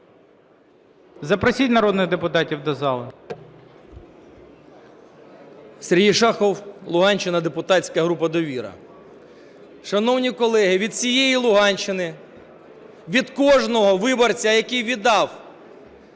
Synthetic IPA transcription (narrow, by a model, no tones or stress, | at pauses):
zɐpɾɔsʲitʲnɐɾɔd̪nɪɣd̪epʊt̪ɑtʲiwd̪ɔzɑlˠɪ | seɾʲɦijʃɑxɔwlˠʊɦɑnʲt͡ʃːɪnɐd̪epʊt̪ɑtʲt͡sʲkɐɦɾupɐd̪ɔʋʲiɾɐ̰ | ʃɐnɔwnʲikɔlˠɛɦɪʋʲid̪̚sʲijejilˠʊɦɑnʲt͡ʃːɪnɪ | ʋʲid̪kɔʒnɔɦɔʋɪbɔrt͡sʲɐjɐkijʋʲid̪ɑw